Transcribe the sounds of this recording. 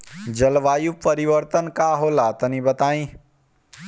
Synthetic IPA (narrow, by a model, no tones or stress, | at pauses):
d͡ʒɐlʋaːjupəɾiʋəɾt̪ənkaɦolat̪ɐnĩbɐt̪aːĩ